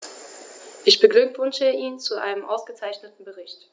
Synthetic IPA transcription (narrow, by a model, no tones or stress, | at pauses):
ʔɪçb̥əɡlʏkv̥ʏnʃəʔiːnt͡suʔa̰ɪnəmʔaʊsɡ̥ət͡saɪçnətn̩bəʁɪçt